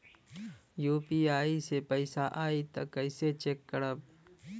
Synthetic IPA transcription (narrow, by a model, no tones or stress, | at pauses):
juːpiːaːisepəɪsaʔaːit̪ɐkəɪset͡ʃeːkːəɽəb